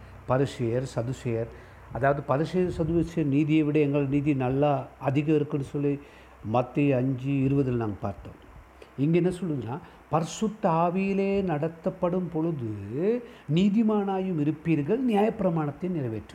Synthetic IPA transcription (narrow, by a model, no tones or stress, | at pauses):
pɐɾɪʂɐjɐɾsɐðɯsɐjɐɾ | ɐðaːʋɐðɯpɐɾɪʂɐjɐɾsɐðɯsɐjɐɾniːðɪjɐʋɪɽɐɛŋɡɐɭɽniːðinɐlːaɐðɪɣɐɪɾɯkːɯnːɯsɔlːi | mɐt̪ːiɐɲd͡ʒɯɪɾɯʋɐðɐlnaːŋɡɐpa̰ːɾt̪õ̰ː | ɪŋɡenːɐsɔlːɯŋɐnaː | pɐɾɪsɯt̪ːɐaːʋɪjɪleːnɐɽɐt̪ːɐpːɐɽɯmpɔɻɯðɯ | niːðimaːnaːjɯmɪɾɯpːiːɾŋɡɐɭnɪjaːjɐpːɪɾɐmaːɳɐt̪ːɪnɪɾɐʋeːʈrɯ